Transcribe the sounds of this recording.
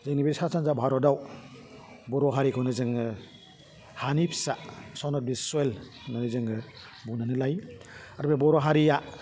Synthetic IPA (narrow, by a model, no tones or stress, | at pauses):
zeŋnibisasanzabʱaɾɔdaw | bɔɾɔɦaɾikʰɔnɯzɯŋɯ | hanipʰsasɔnɔt̚bisuel | nanɯzɯŋɯ | bunanɯlajaɾbebɔɾɔɦaɾija